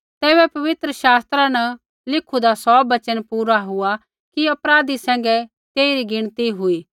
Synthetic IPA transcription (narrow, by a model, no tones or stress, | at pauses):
t̪ɛːβɛpɐʋɪt̪ɾəʃaːst̪ɾanɐ | lɪkʰud̪asɔbɐt͡ʃənpuːɾaɦʊa | kiɐpɾaːd̪isɛ̃ːŋ̆ɡɛ | t̪eːiɾiɡɪɽ̃t̪iɦʊiː